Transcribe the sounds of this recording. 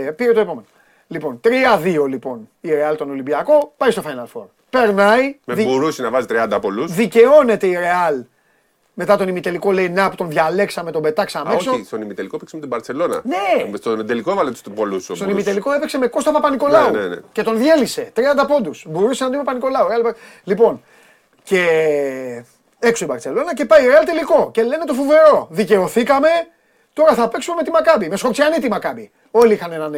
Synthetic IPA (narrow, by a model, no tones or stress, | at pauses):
piɾet̪o̞e̞po̞me̞no | lipo̞nt̪ɾiɐðio̞lipo̞niɾe̞ɐlt̪o̞no̞limbiɐko̞pɐist̪ofɐjnɐlfo̞̰ɾ | pe̞ɾnɐimðiboɾusinɐvɐzit̪ɾiɐnd̪ɐpolusðice̞o̞ne̞t̪e̞iɾe̞ɐl | me̞t̪ɐt̪o̞nimit̪e̞liko̞le̞inɐpu̥t̪o̞nðʝɐle̞ksɐme̞t̪obe̞t̪ɐksɐmeosost̪onimit̪elikoepiksemet̪ibɐɾse̞lo̞nɐ̰nest̪od̪elikoevɐlet̪u̥st̪upolusst̪onimit̪eliko̞epekse̞me̞ko̞st̪ɐpɐpɐniko̞lɐaunenḛce̞t̪o̞nðje̞lise̞t̪ɾiɐnd̪ɐpo̞nd̪usbo̞ɾusenɐt̪imepɐniko̞lɐuɾeɐlip | lipo̞n | ce̞ | e̞ksoibɐɾt͡se̞lo̞nɐce̞pɐjɾeɐlt̪eliko̞ce̞le̞ne̞t̪o̞fuve̞ɾo̞ðice̞o̞θikɐme̞ | t̪o̞ɾɐθɐpeksumeme̞t̪imɐkɐbime̞sko̞ksiɐnit̪imakɐbi | o̞liixɐnenɐn